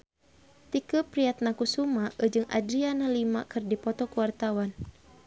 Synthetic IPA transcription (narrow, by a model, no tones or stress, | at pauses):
t̪ikəpɾiat̪̚nakusumaʔəd͡ʒɨŋʔa̰dɾianalimakɨrdipɔt̪ɔkuwart̪awan